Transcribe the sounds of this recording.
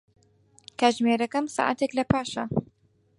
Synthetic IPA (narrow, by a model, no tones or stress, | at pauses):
kaːʒmeːɾɐkɐmsa̰ːʔa̰t̪eklɐpaːʃɐ